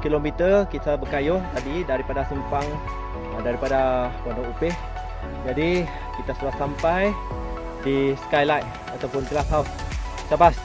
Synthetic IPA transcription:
kilomit̪əkit̪abəkajʊht̪adidaɾipadasəmpaŋ | daɾipadakandɔŋupɪh | d͡ʒadi | kit̪asulasampaj | disə̥kajlaj | at̪awpʊnkəlasaun | sabas

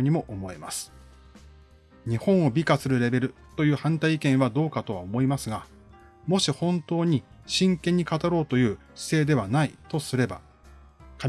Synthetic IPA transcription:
ɲ̟imo̞ʔomo̞ḛma̰sɨ̥ | ɲ̟ihõ̞ɰ̃o̞bʲikasɨɾɯ̟ɾe̞be̞ɾɯ̟ | t̪o̞jɯ̟ːhãnt̪aiːkẽ̞ɰ̃βad̪o̞ːkat̪o̞βa̰omo̞imasɨɡa | mo̞ɕihõ̞nt̪o̞ːɲ̟i | ɕĩŋkẽ̞ɲ̟ːikat̪aɾo̞ːt̪o̞jɯ̟̥ː | se̞ːd̪e̞βanait̪o̞sɨɾe̞ba̰ | ka

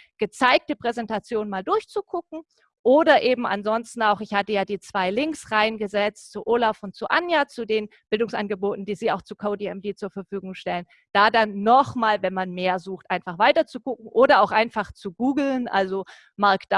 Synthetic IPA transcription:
ɡ̥ət͡saɪk̚təpʁ̥ɛzɛntat͡sjoːnmaːldʊɐçt͡suɡʰʊkŋ̩ | ʔoːdɐʔeːbm̩ʔa̰nzɔnstn̩aʊxɪçhatəjaːdiːt͡sv̥aɪlɪŋksʁaɪnɡəzɛt͡stt͡suʔoːlaʊfʊntt͡suʔanjat͡sudeːnb̥ɪldʊŋsʔanɡəboːtn̩d̥iːziːaʊxt͡sukʰodiɛmdeːt͡suːɐfɛɐfyːɡʊŋʃtɛlən | d̥aːdanːɔχmaːlvɛnmanmeːɐzuːxtʔaɪnfaχv̥aɪtɐt͡suɡʊkŋ̩ʔoːdɐaʊxʔaɪnfaχt͡suɡuːɡl̩nʔa̰lzo | maɐkd̥

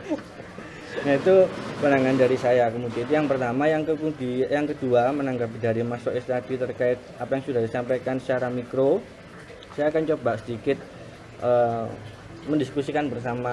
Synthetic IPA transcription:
jait̪upənaŋandaɾisajakəmudiait̪̬ujaŋpərt̪amajaŋkəpuŋdijaŋkəduamənaŋɡap̬daɾimasɔʔist̪ad̪̥it̪ərkaɪt̪̚apajaŋsudahdisampajkansə̥t͡ʃaɾamikɾo | sajaːkant͡ʃobaʔsədikɪt̪̚ | ʔə | məndiskusikanbərs̬ama

